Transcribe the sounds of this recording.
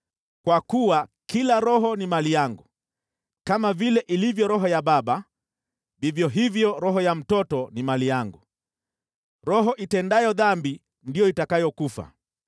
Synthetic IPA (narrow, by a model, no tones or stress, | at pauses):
kwakuwakilaɾɔɦɔnimalijaŋɡu | kamavilɛʔilivjɔɾɔɦɔjaɓaɓa | vivjɔɦivjɔɾɔɦɔjam̩tɔtɔnimalijaŋɡu | ɾɔɦɔʔitɛndajɔðambi | ndijɔitakajɔkufa̰